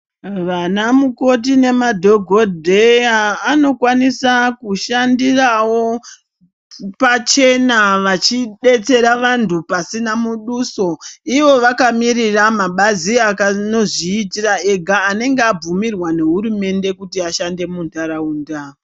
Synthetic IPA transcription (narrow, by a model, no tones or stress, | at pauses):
ʋanamuko̞t̬ine̞madʱo̞ɡʱo̞dʱeaːno̞kwanisakuʃandirawo̞ | pat͡ʃe̞naʋat͡ʃiɗe̞t͡se̞ɾaʋantʰupasinamuɗuso̞iʋo̞ʋakamiriramaɓaziakano̞ʐiːtirae̞ɡʱaːne̞ŋɡeab͡vumirwane̞ɦuɾume̞nde̞kutiaʃande̞muntaɾauːnda